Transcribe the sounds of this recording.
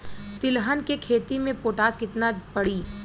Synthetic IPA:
t̪ɪlɦənkekʰeːt̪imẽpoːʈaːskɪt̪napɐɽiː

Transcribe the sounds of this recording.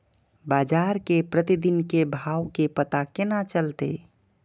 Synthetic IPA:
baːd͡ʒaːɾkepɾət̪id̪inkebʱaːwkepət̪akenat͡ʃəlt̪ḛ

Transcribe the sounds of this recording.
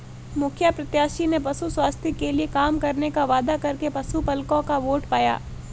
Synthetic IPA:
mʊkʰjəpɾɐt̪jaːʃinep̬ɐsuswaːst̪ʰikeliekaːmkɐɾnekaʋaːd̪akɐɾkepɐsupɐlkõkaʋoːʈpaːja̰ː

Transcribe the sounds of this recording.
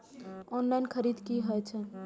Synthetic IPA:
ɔnlaɪnkʰəɾiːd̪kiɦɔjt͡ʃʰɛ

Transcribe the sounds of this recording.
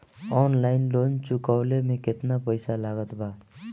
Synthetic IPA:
ɔnlaɪnlont͡ʃukaʊlemẽket̪napəjsalaɡət̪ba

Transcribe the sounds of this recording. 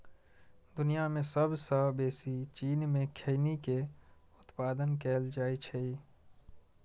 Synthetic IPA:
d̪ʊnijamẽsəbsəɦbeːsit͡ʃiːnmẽkʰeɪnike | ʊt̪paːd̪ənkɛːld͡ʒaːit͡ʃʰei

